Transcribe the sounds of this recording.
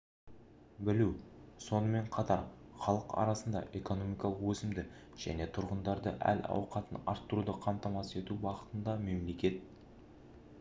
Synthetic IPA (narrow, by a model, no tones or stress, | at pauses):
bɪluwso̞nəme̞ɴqʰɑt̪ɑɾ | χɑlˠəqɑ̰ɾɑsənd̪ɑ̰ʔe̞ko̞no̞mijkɑlˠəqwɵsɪmd̪ɪ | ʒ̥æ̰ne̞t̪ʰʊɾʁənd̪ɑɾd̪ə̰ʔæ̰lɑ̰wqɑt̪ənɑ̰ɾt̪ːəɾud̪əqʰɑmt̪ɑmɑse̞t̪uwɑʁət̪ənd̪ɑme̞mle̞kʲe̞t̪̚